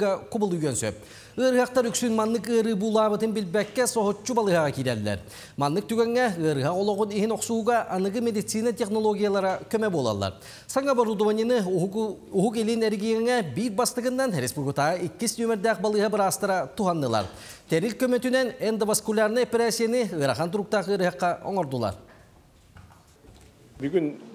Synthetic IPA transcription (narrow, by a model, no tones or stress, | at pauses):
ɡɑkubɯlˠujɡœnsœ̰p̚ | ɯɐɾɯɦaqt̪aɾyksynmanːɯkɯɐɾɯbuːlˠaːbɯt̪ɯnbilʲbɛkːɛsɔɦɔt͡ʃːubalˠɯɦaʁɑkiːɾɛlːɛ̰ɾ | manːɯk̚t̪yɡœŋːɛɯɐɾɯɦaqɔlˠɔʁuniɦinɔqsuuɡɑʔanɯɣɯmʲed̪ʲit̪siːnɐt̪ʲɛχnolˠoɡʲijalˠaɾakœmɛbulˠa̰lˠːa̰ɾ | saŋabɐɾud̪umɐnʲinɯ | uɦukelineɾɡijeŋɛbiik̚bɑst̪ɯʁɯnːɑnrʲespublʲikaʁɑikːisnʲymʲeɾd̪æqbɑlˠɯhɑbɯɾast̪ɾɑt̪uɦɑnːɯlˠɑ̰ɾ | t̪ʰɛɾilkømøt̪ynɛnend̪ɐvɐskulʲaɾnɯepʲeɾasʲijanɪɯɾɑχɑnt̪uɾuk̚t̪ɑqɯɾɯhɑqːɑʔo̰ɴoɾd̪ulˠɑ̰ɾ | byɡyn